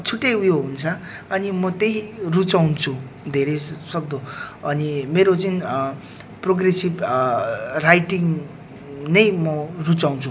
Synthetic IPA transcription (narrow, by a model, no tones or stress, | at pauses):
t͡sʰuʈːejujoɦunt͡sʰʌ | ʌnimʌt̪eɦirut͡sawnt͡sʰu | d̪ʱeɾʌjsʌk̚d̪oʌnimeɾot͡sʌn | proɡresib | rajʈiŋ | nʌjmʌrut͡saw̃nt͡sʰu